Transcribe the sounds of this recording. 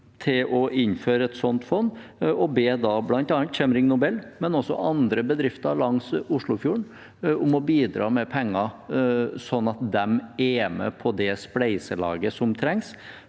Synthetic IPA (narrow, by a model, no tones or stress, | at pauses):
t̪ʰɪlɔʔɪnføːɾəɛt̪sɔnt̪fɔnːɔbeːd̪ɑblɑnt̪ɑːnt̪çɛmɾɪŋnʊbɛlːmɛnɔsːɔ̰ʔɑnd̪ɾəbəd̪ɾɪft̪ɑlɑŋsʊʂɭʊfjuːɳ | ʊmɔbiːd̪ɾɑ̰ːmɛpʰɛŋːɑ | sɔnːɑt̪̚d̪ɛmɛmɛ̰pʰɔd̪ɛsplæɪsəlɑ̰ːɡəsɔmt̪ʰɾɛŋs